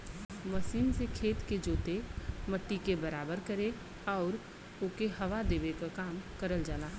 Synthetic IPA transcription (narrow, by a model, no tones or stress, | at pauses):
mɐsiːmsekʰeːt̪ked͡ʒoːt̪emɐʈːikebɐɾaːbəɾkɐɾe | ɔːɾ | ʊkeɦɐʋad̪eːʋekakaːmkəɾəld͡ʒaːnaː